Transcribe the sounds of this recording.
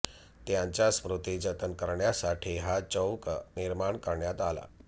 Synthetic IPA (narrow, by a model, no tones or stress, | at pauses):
t̪jãɲt͡ɕjaspɾut̪id͡ʑət̪ənkəɾɳjasaʈʰiːɦat͡səwkniɾmaɳkəɾɳjat̪ala̰